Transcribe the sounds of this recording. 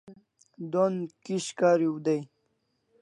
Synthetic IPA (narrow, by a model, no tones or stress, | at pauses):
d̪onkiɕkaːɾiwud̪aj